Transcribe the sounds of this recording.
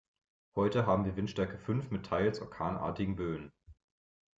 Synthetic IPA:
hɔʏtəɦaːbm̩viːɐvɪntʃtɛɐkəfʏnfmɪtʰaɪlsʔɔɐkʰaːnʔa̰ːɐtɪɡŋ̩bøːən

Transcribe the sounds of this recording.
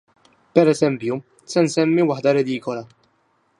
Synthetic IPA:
pɛɾɛsɛmpju | sɛnsɛmːiwɐħd̪ɐɾɛd̪iːkɔlɐ

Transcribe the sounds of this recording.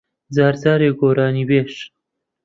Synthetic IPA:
zaːɾzaːɾeːɡoːɾaːniːbeːʃ

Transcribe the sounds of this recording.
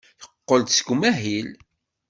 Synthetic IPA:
jəqːəld̪sɡumæɦil

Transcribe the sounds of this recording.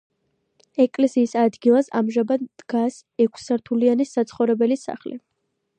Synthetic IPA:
ɛkʼlɛsiːsad̪ɡilˠasa̰mʒabad̪d̪̥ɡas | ɛkʷʰsaɾt̪ʰulianisat̪sʰχɔvɾɛbɛlisa̰χlḭ

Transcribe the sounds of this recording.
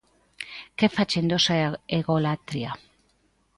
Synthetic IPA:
kefat͡ʃend̪osaeɣolat̪ɾia

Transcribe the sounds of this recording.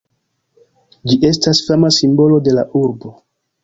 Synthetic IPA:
d͡ʒiʔe̞stasfamasimbo̞lo̞de̞la̰ʔuɾbo̞

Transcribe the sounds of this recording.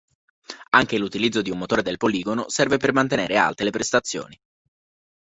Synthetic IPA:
aŋk̟elut̪ilid̪zːod̪iumːot̪oːɾed̪elpoliːɡonosɛrvepermant̪eneːɾea̰lt̪elepɾest̪at̪sːjo̰ːni

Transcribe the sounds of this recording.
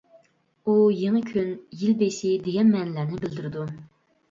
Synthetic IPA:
ujeŋɨkʲʰynjilbesɪd̪eɡʲɛnmɛnlæɾnɪbɪld̪ɪɾɪd̪u

